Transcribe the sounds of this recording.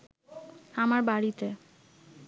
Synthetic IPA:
amaɾbaɽit̪e

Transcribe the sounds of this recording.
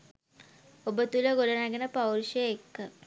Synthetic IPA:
obət̪uləɡolənaɡenəpawɾʃəekːə

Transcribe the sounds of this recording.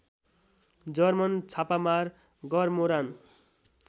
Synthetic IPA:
d͡zʌrmʌnt͡sʰapamar | ɡʌrmoɾan

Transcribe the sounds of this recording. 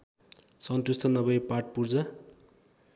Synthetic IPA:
sʌnt̪ust̪ʰʌnʌbʌjpaʈ̚purd͡zʌ

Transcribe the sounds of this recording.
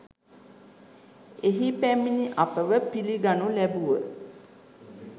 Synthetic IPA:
eɦipæminiʔapəʋəpiliɡanulæbuʋə

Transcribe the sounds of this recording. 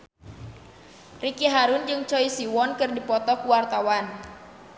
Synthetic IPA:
rikiɦaɾʊnd͡ʒɨŋt͡ʃɔisiwɔnkɨrdipɔt̪ɔkuwart̪awan

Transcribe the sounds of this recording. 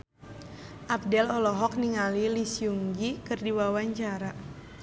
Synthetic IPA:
ʔap̚dɛlɔlɔɦɔk̚niŋalilisiuŋɡikɨrdiwawaɲt͡ʃaɾa

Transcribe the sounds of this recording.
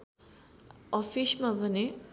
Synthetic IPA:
ʌpʰismabʱʌne

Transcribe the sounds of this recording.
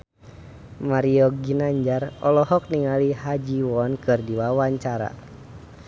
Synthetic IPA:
maɾiɔɡinaɲd͡ʒarɔlɔɦɔk̚niŋalihad͡ʒiwɔnkɨrdiwawaɲt͡ʃaɾa̰

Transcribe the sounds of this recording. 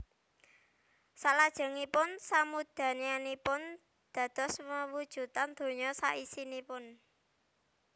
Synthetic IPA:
salad̥ʒ̥ə̤ŋipʊnsamud̪̥ä̤nianipʊn | d̪̥ä̤d̪̥ɔ̤sməwud̥ʒ̥ṳt̪and̪̥o̤ɲɔsa̰ʔisinipʊn

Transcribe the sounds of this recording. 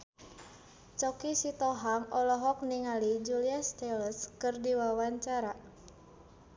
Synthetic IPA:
t͡ʃɔkisit̪ɔɦaŋɔlɔɦɔk̚niŋalid͡ʒuliast̪ɛləskɨrdiwawaɲt͡ʃaɾa

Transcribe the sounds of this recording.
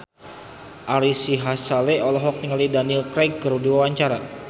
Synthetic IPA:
ʔaɾisiɦasaleɔlɔɦɔk̚t̪iŋalidanilkɾɛk̚ːəɾudiwawaɲt͡ʃaɾa

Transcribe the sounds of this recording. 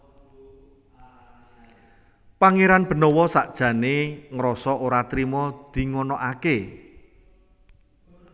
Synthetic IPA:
paŋeɾanb̥ə̤nɔwɔsaʔd̥ʒ̥ä̤neŋɾɔsɔʔoɾat̪ɾimɔd̪̥i̤ŋɔnɔʔake

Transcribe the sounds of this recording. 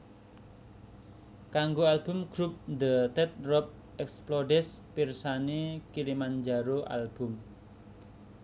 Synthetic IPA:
kaŋɡoalbʊmɡ̥ɾup̚nd̪ət̪ɛt̪̚rɔp̚ | ɛksploɖɛspirsanekilimand͡ʒaɾoʔa̰lb̥ʊ̤m

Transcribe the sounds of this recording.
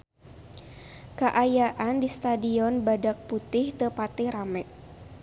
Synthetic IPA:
kaʔajaʔandist̪adiɔnbadak̚put̪ɪht̪əpat̪iɾamɛʔ

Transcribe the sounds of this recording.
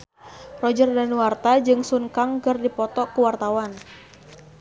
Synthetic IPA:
rɔd͡ʒərdaniwart̪ad͡ʒɨŋsuŋkaŋkərdipɔt̪ɔkəwart̪awan

